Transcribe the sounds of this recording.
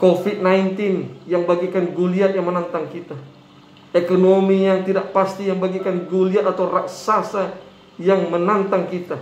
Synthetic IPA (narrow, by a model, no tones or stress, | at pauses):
kofit̪̚najnt̪injaŋbaɡikanɡuliat̪̚jaŋmənant̪aŋkit̪a | ekonomijaŋt̪idaʔpast̪ijaŋbaɡikanɡuliat̪̚at̪awraksasa | jaŋmənant̪aŋkit̪a